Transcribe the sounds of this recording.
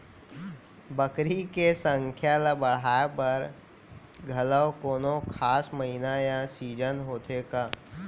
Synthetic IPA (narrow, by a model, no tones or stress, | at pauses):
bəkɾikesə̃ŋkʰjaləbəɽ̤aːepɐɾ | ɡʱɐləwkoːnõkʰaːsməɦinajãsiːd͡ʒənɦoːt̪eːkaː